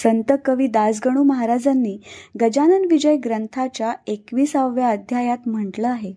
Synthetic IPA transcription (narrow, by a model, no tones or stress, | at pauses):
sənt̪əkəʋiːd̪asɡəɽ̃uːməɦaɾad͡zanːiːɡəd͡ʑanənʋid͡ʑəjɡɾənt̪ʰat͡ɕjaekʋiːsaʋjaəd̪ʱjajat̪m̤əɳʈləaɦe